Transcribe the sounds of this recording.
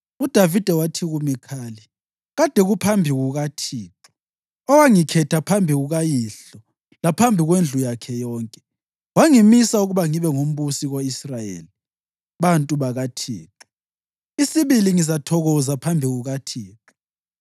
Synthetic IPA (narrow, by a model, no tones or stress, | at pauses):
ud̥ʱavid̥ʱɛwatʰiɣumikʰaːli | ɣad̥ʱɛɣupʰambʱiɣuɣatʰiːǁu̥ | ɔwaŋikʰɛtʰapʰambʱiɣuɣajiɬɔ | lapʰambʱiɣwend͡ɮʱujakʰɛjɔːŋkʼɛ̥ | waŋimisauɣuβaŋiβɛŋom̩βusiɣoisrajḛːli | βantʼuβaɣatʰḭːǁu̥ | isiβiliŋizatʰɔɣɔzapʰambʱiɣuɣatʰiːǁu